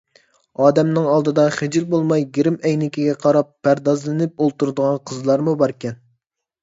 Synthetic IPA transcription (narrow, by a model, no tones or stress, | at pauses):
ɑːd̪ɛmnɨŋɑlˠd̪ɨd̪ɑχɪd͡ʒilbolˠmɑjɡʲiɾɪmɛjnɪkʲiɡʲɛqʰɑɾɑpːæɾd̪ɑzlˠɨnɪp̚olˠt̪uɾd̪əʁɑnqʰəzlˠɑɾmubɑɾkʲɛn